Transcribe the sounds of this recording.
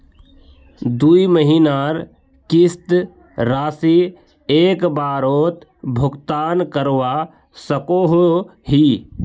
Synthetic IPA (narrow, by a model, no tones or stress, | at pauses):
d̪uːiməɦinaɾ | kɪst̪ | ɾaːsi | eːkbaːɾoːt̪bʱʊɡt̪aːnkəɾwa | səkoɦoɦi